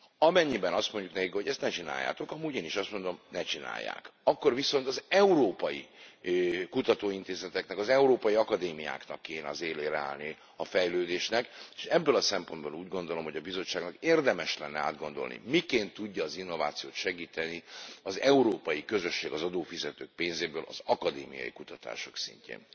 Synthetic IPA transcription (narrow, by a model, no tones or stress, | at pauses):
ɒmɛɲːibɛnɒst̪mo̞ɲɟuknɛkikho̞ɟɛst̪nɛt͡ʃina̰ːjːa̰ːt̪o̞kɒmuːɟeːniʃɒst̪mo̞nd̪o̞mnɛt͡ʃina̰ːjːa̰ːkɒkːo̞rviso̞nt̪ɒzɛuɾoːpɒji | kut̪ɒt̪oːint̪eːzɛt̪ɛknɛkɒzɛuɾoːpɒjiɒkɒd̪eːmija̰ːknɒkːeːnɛɒzeːleːɾɛa̰ːlni | ɒfɛjløːd̪eːʃnɛke̥ʃɛbːølɒsɛmpo̞nd̪boluːɟɡo̞nd̪o̞lo̞mho̞ɟɒbizo̞t͡ʃːaːɡnɒkeːrd̪ɛmɛʃlɛnːɛa̰ːd̪ɡo̞nd̪o̞lnḭmikeːnt̪ːuɟːɒːzinːo̞vaːt̪sijoːt̪ʃɛɡiːt̪ɛniɒzɛuɾoːpɒjikø̞zø̞ʃːeːɡɒzɒd̪oːfizɛt̪øːk̚peːnzeːbøːlʔɒ̰zɒkɒd̪eːmḭjɒ̰jḭkut̪ɒt̪a̰ːʃo̞ksḭɲcḛːn